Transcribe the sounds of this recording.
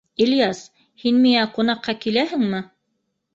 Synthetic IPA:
iljas | hinmiŋæqunɑqːɑkilæhɘ̆ŋmɘ

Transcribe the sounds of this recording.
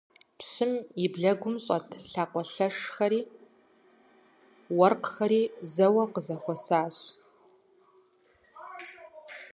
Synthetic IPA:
pɕɪmibɮɐɡʷʊmɕʼɐtʰɬaːqʷɔɬɐʂxɐɾiː | wɐrqxɐɾiːzɐwɐqəzɐxʷɔsaːɕ

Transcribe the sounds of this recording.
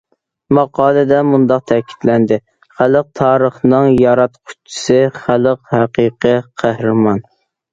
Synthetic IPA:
mɑqʰɑːlˠɨd̪ɛmund̪ɑq̚t̪ʰɛkʲʰi̥t̪lɛnd̪ɪ | χæləq̚t̪ʰɑːɾəχnɨŋjɑɾɑt̪qʰʊ̥t͡ʃʰːɪ̥sɪχælˠəqhæqiqiqʰæhɾɨmɑn

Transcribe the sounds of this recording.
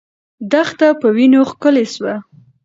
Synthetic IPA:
d̪axt̪apəwinoxkəleswa

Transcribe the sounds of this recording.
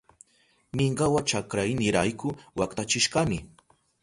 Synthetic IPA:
mɪɴɢɑwat͡ʃakɾajnɪɾajkʊwakt̪at͡ʃɪʃɢɑmɪ

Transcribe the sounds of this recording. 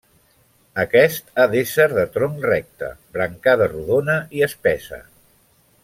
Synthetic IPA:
əkɛst̪aðesəɾðət̪ɾomrɛk̚t̪ə̰bɾəŋkaðəruðonəiəspɛsə̰

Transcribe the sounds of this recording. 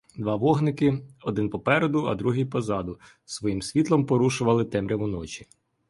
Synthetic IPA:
d̪ʋɑʋɔɦnɪkɪɔd̪ɪnpɔpɛɾed̪ʊɐ̰d̪ɾuɦijpɔzɑd̪ʊ | sʋɔjimsʲʋʲit̪lˠɔmpɔɾuʃʊʋɐlˠɪt̪ɛmɾʲɐʋʊnɔt͡ʃi̥

